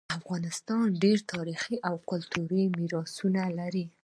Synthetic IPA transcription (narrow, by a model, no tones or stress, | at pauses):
afɣɑnɪst̪ɑnɖeɾt̪ʰɑɾixiʔawkʊlt̪ʰuɾimiɾɑsunalaɾi